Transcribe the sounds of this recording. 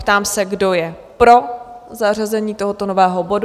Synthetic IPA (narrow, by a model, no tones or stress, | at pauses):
pt̪aːmsɛɡdo̞jɛ | pɾo̞ | zar̝azɛɲiːt̪oɦot̪onovɛːɦobo̞d